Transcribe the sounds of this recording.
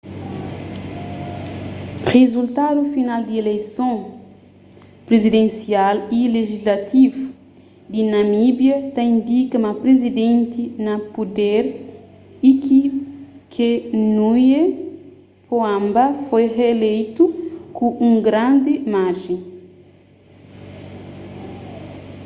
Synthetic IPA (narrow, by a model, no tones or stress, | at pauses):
ʁezult̪ad̪ufinald̪ielejsõ | pɾezid̪ẽnsialileʒizlat̪ivu | d̪inɐmibjɐt̪aĩnd̪ikɐmɐpɾezid̪ẽnt̪inɐpud̪eɾ | ikikʰenuje | poãmbɐfojʁeːlejt̪ukuʔũŋɡɾãnd̪ɪmaɾʒẽ